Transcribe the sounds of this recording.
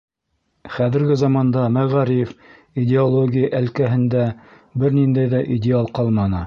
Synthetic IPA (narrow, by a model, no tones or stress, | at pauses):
χæðɘ̆ɾɡɘzɑmɑnd̪ɑmæʁæɾijf | idʲɪolˠoɡʲijəʔælkæɦɘ̆nd̪æ | bɘɾnind̪æjðæʔidʲɪalˠqɑlˠmɑnɤ